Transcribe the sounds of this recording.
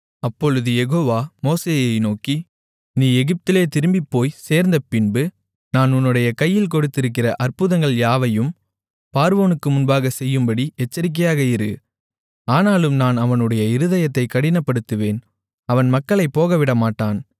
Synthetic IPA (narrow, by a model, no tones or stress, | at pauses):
ɐpːɔɻɯðɯjɛɣoːʋaːmoːseːjɐɪnoːki | niːɛɣɪp̚t̪ɪleːt̪ɪɾɯmbɪpːoːjseːɾnd̪ɐpɪnbɯ | naːnʊnːɯɽɐjɐkɐjːɪlkɔɽɯt̪ːɪɾɯk̬ːɪrɐʔɐrpɯðɐŋɡɐɭjaːʋɐjɯm | paːɾʋoːnɯkːɯmʊnbaːɣɐsɛjːɯmbɐɽiʔɛt͡ʃːɐɾɪk̬ːɐjaːɣɐɪɾɯ | aːnaːlɯmnaːnɐʋɐnɯɽɐjɐɪɾɯðɐjɐt̪ːɐɪkːɐɽɪnɐpːɐɽɯt̪ːɯʋeːn | ɐʋɐnmɐkːɐɭɐɪpːoːɣɐʋɪɽɐmaːʈːaːn